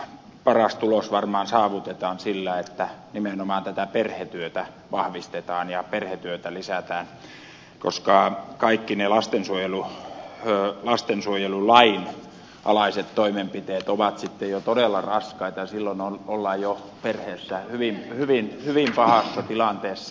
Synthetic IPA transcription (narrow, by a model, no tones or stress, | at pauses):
pɑrɑst̪ulosʋɑrmɑːnsɑːʋut̪et̪ɑːnsilːæet̪ːænimenomɑːnt̪æt̪æperhet̪yøt̪æ | ʋɑhʋist̪et̪ɑːnjɑperhet̪yøt̪ælisæt̪æːn | ko̰skɑˑkɑikːinelɑst̪ensuojeluː | lɑst̪ensuojelulɑin | ʔɑ̰lɑiset̪toimempit̪eːt̪oʋɑt̪sit̪ːejot̪odelːˑɑrɑskɑit̪ɑɑsilːonololːɑjjo | perheːsːæhyʋimhyʋinhyʋimpɑhɑsːɑt̪ilɑnt̪eːsːɑ